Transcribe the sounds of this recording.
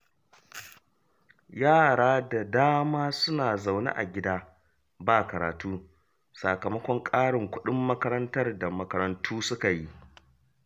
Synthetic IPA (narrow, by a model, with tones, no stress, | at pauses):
jaː˦˨ɽaː˦da˨daː˦maː˦sʊ˦naː˨za˨wnḭ˦ʔa̰˨ɡʲɪ˦daː˦ | baː˦˨kɐ˨ɾa̰ː˨tuː˦ | sa˨kɐ˨mɐ˦kʷɔ˦ŋkʼaː˦ɽɪ˨ŋkʷʊ˦ɗɪ˦mːɐ˦kɐ˦ɾɐ˦ntɐ˦rda˨mɐ˨kɐ˦ɾɐ˦ntʰuː˦sʊ˦ka˨ji˦ʔ